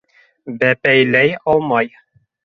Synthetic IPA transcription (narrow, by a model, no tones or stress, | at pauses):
bæpæjlæjɒlˠmɑj